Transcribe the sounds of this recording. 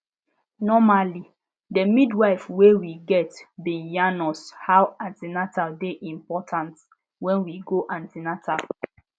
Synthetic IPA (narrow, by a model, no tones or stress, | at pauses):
nɔmali | dəmidwaɪfwewiɡɛtbĩnjanɔshawãntinatadeʔĩmpɔtʰãnt | wɛ̃nwiɡoʔãntinata̰